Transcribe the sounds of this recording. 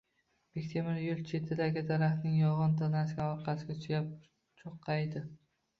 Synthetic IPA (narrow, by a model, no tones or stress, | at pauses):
b̥ekʲt̪ʰemɪɾjʊlˠt͡ʃʰe̞t̪ʰːɪd̪aɡʲɪd̪aɾaχnɪŋjɒʁɒnt̪ʰanasɡʲaɒɾqʰɑsɪɡʲat͡ʃʰjʲap̚ | t͡ʃʰoqʰːɑjd̪ɪ